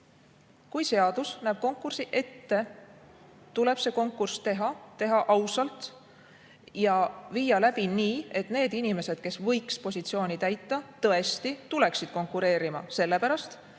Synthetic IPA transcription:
kujse̞ɑd̪̥usnæːb̥̚ko̞ŋkːˑursiʔe̞t̪ːe̞ | t̪ule̞b̥se̞ko̞ŋkːˑurst̪e̞ɦɑt̪e̞ɦɑʔɑwsɑlt̪ˑ | jɑviːjɑlæb̥iniːe̞t̪ˑne̞ːd̪inime̞se̞d̪̥ke̞svɤ̞jkspo̞sʲit̪sio̞ːnʲit̪æjt̪ːˑɑt̪ɤ̞e̞st̪it̪ule̞ksid̪̥ko̞ŋkːˑuɾe̞ːɾimɑse̞lːe̞pæɾɑst̪

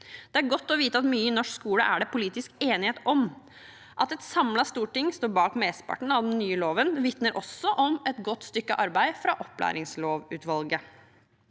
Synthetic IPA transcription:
d̪̥ɛæɾɡɔt̪ːɔʋiːt̪əɑt̪myːəɪnɔʂkskuːləʔæ̰ɖɛpʰʊliːt̪ɪskeːnɪheːt̪ɔm | ʔɑt̪ɛt̪sɑmlɑst̪uːʈɪŋst̪oːɾbɑːkmeːsə̥pʰɑ̰ʈɳ̩ɑʋd̪ɛnnyːəloːʋənʋɪt̪nəɾʔɔsːɔʔɔmɛt̪ɡɔt̪ːst̪ʏkːəʔɑɾbæɪfɾɑʔɔpːlæ̰ːɾɪŋsloːʋʉːt̪ʋɑlɡə

